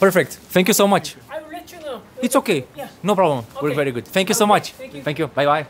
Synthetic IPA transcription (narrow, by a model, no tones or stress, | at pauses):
pɛɹfɛk̚t̪fθɛ̃ŋkjusomɐt͡ʃ | ɪtsokejnõpɾɔblə̃mwəɾkvɛɾiɡʊd̪fɛ̃ŋkjusomɐt͡ʃfɛ̃ŋkjubajbaj